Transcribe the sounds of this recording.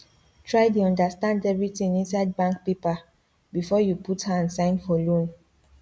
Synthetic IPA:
tʰɹajt̬uɔ̃ndastãndɛvɹitĩŋĩnsajd̚bãŋk̚pepa | bifɔjuputhaãnsãɪ̃nfɔlõn

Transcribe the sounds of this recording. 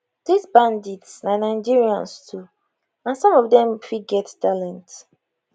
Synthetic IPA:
d̥izbãnditsnanaɪd͡ʒiɹiã̰nstʰu | ãnsɔ̃mɔvdɛ̃mfiɡɛttalɛ̃nt

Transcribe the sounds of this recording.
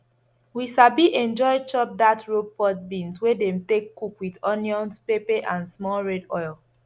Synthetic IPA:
wiʃabiʔɛ̃nd͡ʒɔɪt͡ʃɔp̚datɹopɔt̚bĩnzwedɛ̃mtekːukwidɔ̃njɔ̃ntpepeʔãnsmɔlɹɛdɔ̰jl

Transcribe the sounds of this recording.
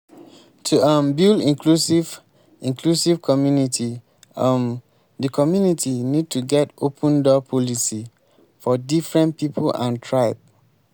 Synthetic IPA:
tʰuʌmbilĩklusiv | ĩŋkʰlusiv̥kʰɔmjunitʰi | m | dəkʰɔmjunitʰinid̚tʰuɡɛtopʰə̃ndɔpʰɔlisi | fɔdifɹɛ̃npipʰulã̰ntʰɹaɪp

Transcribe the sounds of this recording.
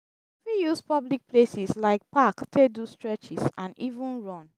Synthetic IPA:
fijuspɔblik̚pʰlesislaɪk̚paktʰedustɹɛt͡ʃisãnivũnɹɔ̃n

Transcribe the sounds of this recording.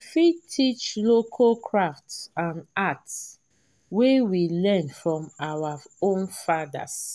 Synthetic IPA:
fitʰit͡ʃlokʰakʰɹaftãnats | wewilɛ̃nfɹɔ̃mawaõnfada̰s

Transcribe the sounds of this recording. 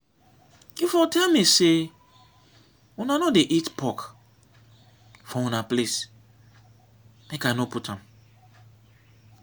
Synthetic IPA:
ifɔtʰɛlmise | unanodeʔitpʰɔk | fɔũnaples | mekajnoputãm

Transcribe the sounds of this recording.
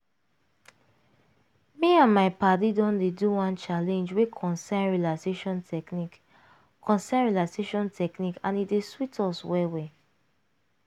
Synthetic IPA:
miãnmaɪpadidɔ̃ndeduwãnt͡ʃalɛ̃nd͡ʒwekʰɔ̃nsãnɹilaseʃɔ̃ntɛknik | kʰɔ̃nsãnɹilaseʃɔ̃ntʰɛknikãnideswitʰɔswɛwɛ

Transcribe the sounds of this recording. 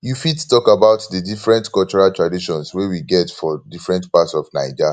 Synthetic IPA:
jufidtɔkabaʊtdədifɹɛ̃ntkɔlt͡ʃɔɹaltɹadiʃɔ̃nswewiɡɛtfɔdifɹɛ̃ntpatsɔfnaɪd͡ʒa

